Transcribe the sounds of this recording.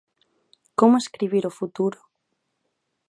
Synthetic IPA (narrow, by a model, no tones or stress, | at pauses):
komoeskɾiβ̞iɾofut̪uɾo̥